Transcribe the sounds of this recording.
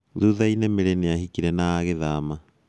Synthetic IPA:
ðuðainɛmeɾɛneahikiɾɛnaːɣeðaːma

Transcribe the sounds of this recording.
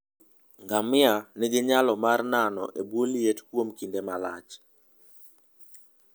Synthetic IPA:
ŋɡamɪanɪɡɪɲalɔmarnanɔ̰ʔebwoljetkwomkindemalat͡ʃ

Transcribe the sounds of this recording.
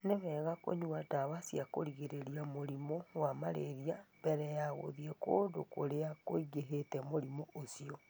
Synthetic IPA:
neβɛːɣako̰ɲuadawasiakoɾiɣeɾeɾiamoɾimɔwamaɾeɾiambɛɾɛjaɣo̰ðiɛkoːndokoɾeakoiɣeɦetɛmoɾimɔosiɔ

